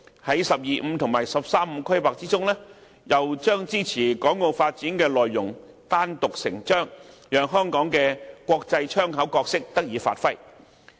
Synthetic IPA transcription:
hɐ˨˥jsɐ˨p̚jiː˨m̩˨˧t̪ʰʊ˨˩ŋmaː˨˩jsɐ˨p̚saː˥m̩ː˨˧kʰɐ˥jpaː˨k̚t͡siː˥t͡sʊ˥ŋlɛː˥ | jɐ˨wt͡ʃœː˥ŋt͡siː˥t͡sʰiː˨˩kɔː˨˥ŋːo˧wfaː˧t̚t͡siː˨˥nkɛː˧lɔː˨jːʊ˨˩ŋ | t̪aː˥nt̪ʊ˨k̚sɪ˨˩ŋt͡ʃœː˥ŋjœː˨ŋɦœː˥ŋkɔː˨˥ŋkɛː˧kʷɔː˧k̚t͡sɐ˧jt͡ʃʰœː˥ŋɦɐ˨˥wkɔː˧k̚sɪ˥k̚t̪ɐ˥k̚jiː˨˧fa̰ː˧t̚fɐ˥j

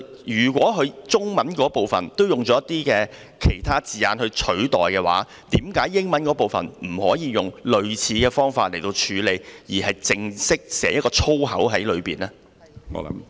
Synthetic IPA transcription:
jyː˨˩kwɔː˨˥ɦɵ˨˧ɥt͡sʊ˥ŋmɐ˨˥nkɔː˨˥po˨wfɐ̰˨˩nt̪o˥wjʊ˨˩ŋt͡sɔː˨˦jɐ˥t̪iː˥kɛː˧ | kʰe˨˩jt̪ʰaː˥t͡siː˨jaː˧nhɵ˧ɥt͡ʃʰɵ˨˥ɥt̪ɔː˨jkɛː˧wa̰ː˨˥ | t̪iː˨˥mkaː˨˥jːɪ˥ŋmɐ˨˥nkɔː˨˥po˨˩wfɐ̰˨˩nm̩˨˩hɔ̰ː˨˥jiː˨˧jʊ˨ŋlɵ˨˧ɥt͡sʰiː˨˥kɛː˧fɔː˥ŋfaː˧t̚le˨˩jt̪o˧wt͡ʃʰyː˨˧le˨˧jjiː˨˩hɐ˨jt͡sɪ˧ŋsɪ˥k̚sɛː˨˩jɐ˥t̚kɔː˧t͡ʃʰo˥wɦɐ̰˨˥wɦɐ˨˥jlɵ˨˧ɥpiː˨nɛː˥ | ŋɔ̰ː˨˧˨m

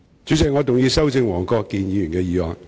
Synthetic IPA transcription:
t͡ʃyː˨˥t͡sɪ˨k̚ŋɔ˨˧t̪ʊ˨ŋjiː˧sɐ˥wt͡sɪ˧ŋwɔː˨˩ŋkɔː˧kːiː˧njiː˨˧jyː˨˩nkɛː˧jiː˨waː˨ŋ

